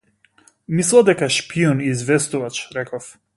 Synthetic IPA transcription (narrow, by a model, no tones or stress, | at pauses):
mislˠad̪ɛkaʃpiɔniːzvɛst̪uvat͡ʃɾɛkɔf